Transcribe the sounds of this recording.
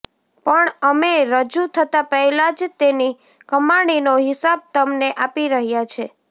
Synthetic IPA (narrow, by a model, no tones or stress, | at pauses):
pəɳəmeɾəd͡ʒut̪ʰət̪apəɦɛlad͡ʒt̪eni | kəmaɽ̃inoɦɪsab̚t̪əmneʔapiɾəɦjat͡ʃʰe